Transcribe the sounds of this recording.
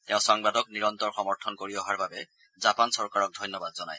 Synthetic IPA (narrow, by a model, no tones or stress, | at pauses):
tɛʊ̃sɔŋbadɔkniɹɔnt̪ɔɹxɔmɔɹtʰɔnkoɹiɔɦaɹbabɛ | zapansɔɹkaɹɔk̚dʱɔjnːɔbadzɔna̰j